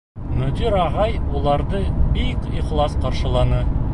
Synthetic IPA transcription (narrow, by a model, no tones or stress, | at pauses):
nɵt̪ʲiɾɑʁɑjwolˠɑɾd̪əbijkiχlˠɑsqɑɾʃə̆lˠɑnə